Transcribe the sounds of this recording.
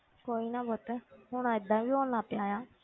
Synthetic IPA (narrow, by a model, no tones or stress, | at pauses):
koːiːnãːboːt̪ɛɦʊñãːɪd̪ːãːbiːɦoːlnaːpjaːjaː